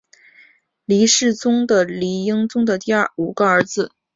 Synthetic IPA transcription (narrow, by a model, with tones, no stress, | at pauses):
li˧˥ʂɻ̩˥˩t͡sʊ˥ŋd̪ə˨li˧˥i˥ŋt͡sʊ˥ŋd̪ə˨t̪i˥˧ə˥˩u˨˩ɡ̥ə˧ə˞˧˥d͡zɹ̩˧